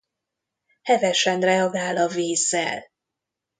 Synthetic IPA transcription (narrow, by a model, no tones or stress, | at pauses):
hɛvɛʃɛnrɛɒɡaːlɒviːzːɛ̰l